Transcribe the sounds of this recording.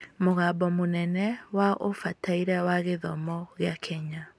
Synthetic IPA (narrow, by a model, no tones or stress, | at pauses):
moɣaːbɔmonɛnɛwaʔofataiɾawaɣeðɔmɔɣeakʰɛɲa